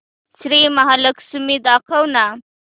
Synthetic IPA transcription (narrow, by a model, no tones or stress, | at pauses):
t͡sɾemaɦaləksumid̪ɑkawna